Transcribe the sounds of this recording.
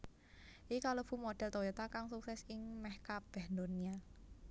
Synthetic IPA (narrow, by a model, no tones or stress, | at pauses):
ʔikaləb̥ṳmoɖ̥ɛ̤lt̪ojɛt̪akaŋsuksɛsɪŋmɛhkab̥ɛhnd̪onia